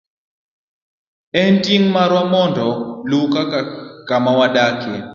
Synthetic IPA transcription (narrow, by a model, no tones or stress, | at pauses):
ɛntiŋmaɾwamɔndʱɔlukakamawaɗakʰɛ